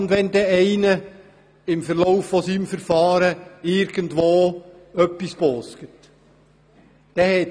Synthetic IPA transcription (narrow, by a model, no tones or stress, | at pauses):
ndʋɛnd̪ɛɛɪnə | ɪmfəɾlɔʊfːɔsiːmfəɾfɑːɾəɪɾɡ̥əndʋoː | œpːispɔːskət | d̥ɛhɛ